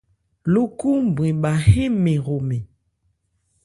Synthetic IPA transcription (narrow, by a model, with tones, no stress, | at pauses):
lu˦ku˦m˨bĩ˨ɓa˨he˦me˨ɣo˨me˨